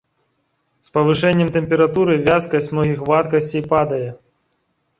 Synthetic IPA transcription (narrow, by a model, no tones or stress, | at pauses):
spɐvɨʂɛnʲːɛmt̪ɛmpʲɛɾat̪uɾɨvʲaskɐsʲt͡sʲmnɔɣʲixvat̪kɐsʲt͡sʲejpad̪ɐjɛ